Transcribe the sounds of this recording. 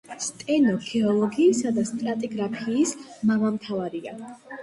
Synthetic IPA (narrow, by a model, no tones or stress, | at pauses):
st̪ʼɛnɔkʰɛɔlˠɔɡiːsad̪ast̪ʼɾat̪ʼiɡɾapʰiːsmamamt̪ʰavaɾia